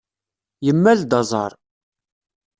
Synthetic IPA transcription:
jəmːæld̪ɑzˤɑ̰ɾˤ

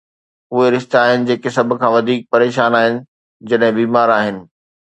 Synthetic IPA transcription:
ʊɦeɾɪʃt̪aaːɦɪnɪ̆d͡ʑeːkesɐbʱʊ̆kʰãːʋɐd̪ʱiːk̚pɐɾeːʃaːnaːɦɪnɪ̆ | d͡ʑɐɗɦɪ̃biːmaːɾaːɦɪnɪ̆

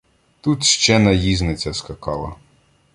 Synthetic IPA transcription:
t̪ut̪ʃt͡ʃɛnɐjiznɪt͡sʲɐskɐkɑlˠɐ̰

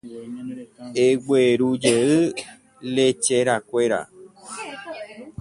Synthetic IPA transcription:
eɡ͡beɾud͡ʒeɨ | let͡ʃeɾakʷeɾa̰

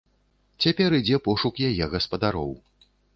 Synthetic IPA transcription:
t͡sʲapʲɛɾɨd͡zʲɛpɔʂukjajɛɣɐspɐd̪aɾɔw

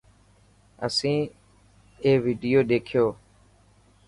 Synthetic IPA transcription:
ə̰sĩː | eːʋiːɖɪjoːɗeːkʰɪjoː

